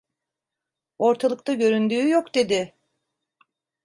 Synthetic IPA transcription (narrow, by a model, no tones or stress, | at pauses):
o̞ɾt̪ʰalˠɯk̚t̪ʰaɟø̞ɾynd̪yːjo̞kd̪e̞d̪ɪ